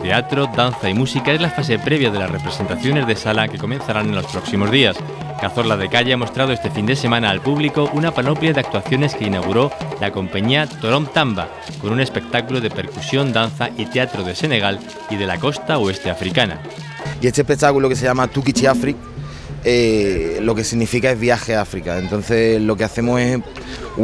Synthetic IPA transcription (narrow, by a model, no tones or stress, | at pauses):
t̪e̞at̪ɾo̞d̪anθaimusikae̞zlafas̬e̞pɾe̞β̞jað̞e̞lasre̞pɾe̞se̞nt̪aθjo̞ne̞zðe̞salake̞ko̞mẽ̞nθaɾanenlo̞spɾo̞ksimo̞zðias | ɡ̥aθo̞ɾlað̞e̞kaʎeamo̞st̪ɾað̞oest̪e̞find̪e̞se̞mãnaːlpuβliko̞ʔunapano̞pljaðe̞ak̚t̪waθjo̞ne̞ske̞inaɣ̞uɾo̞lako̞mpaɲiat̪o̞ɾo̞mt̪amba̰ | ko̞nune̞spe̞k̚t̪akuloð̞e̞pe̞ɾkusjo̞nd̪anθaʔit̪e̞at̪ɾoðe̞se̞ne̞ɣ̞al | iðe̞lako̞st̪aoe̞st̪e̞afɾikana̰ | ie̞st̪ehpek̚t̪akuloke̞se̞ʎamat̪ukit͡ʃiafɾik̚ | elo̞ke̞siɣnifikae̞zβjaxe̞afɾikae̞nt̪o̞n̟θe̞lo̞ke̞aθe̞mo̞ses